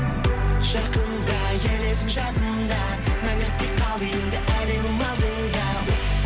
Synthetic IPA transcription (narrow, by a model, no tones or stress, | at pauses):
ʒɑqənd̪ɑ | jelesɪpʒɑt̪ənd̪ɑ | manʲet̪ʲːeqʰɑlˠijənd̪ɪʔælemɪmɑlˠd̪ənd̪ɑ